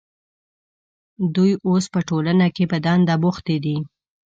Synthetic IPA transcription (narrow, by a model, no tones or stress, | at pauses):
d̪ujʔospəʈolanakepəd̪ɑnd̪aboxt̪ed̪i